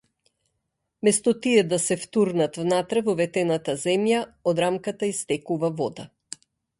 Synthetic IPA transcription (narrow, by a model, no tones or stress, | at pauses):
mɛst̪ɔt̪iɛd̪asɛft̪uɾnat̪vnat̪ɾɛvɔvɛt̪ɛnat̪azɛmjaɔd̪ɾamkat̪aist̪ɛkuvavɔd̪a